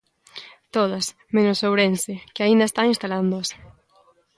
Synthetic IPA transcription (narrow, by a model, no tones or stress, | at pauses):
t̪oðɐs | menosowɾensɪkɪaĩnd̪ɐest̪aŋĩnst̪aland̪oɐs